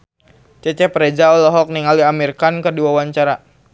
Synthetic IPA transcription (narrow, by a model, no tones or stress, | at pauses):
t͡ʃɛt͡ʃɛpɾed͡ʒaɔlɔɦɔk̚niŋaliamirkankərduawaɲt͡ʃaɾa